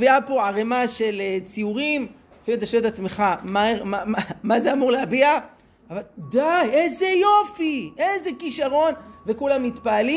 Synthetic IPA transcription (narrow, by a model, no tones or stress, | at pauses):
viapoʕaʁemaʃelet͡siuʁim | afimet̪aʃet̪at͡smeχamamamamazeamuʁleabia | avald̪ajʔezejo̞fiʔezekiʃaʁo̞nve̞kulamːit̪paːli